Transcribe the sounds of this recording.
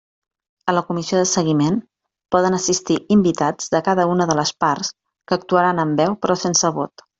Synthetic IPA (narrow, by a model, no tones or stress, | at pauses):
ələkumizioðəsəɣimen | pɔðənəsist̪iʔimbit̪ad͡zðəkaðəunəðələspaɾs | kəːk̚t̪uəɾanəmbɛwpɾɔsensəβo̰t̪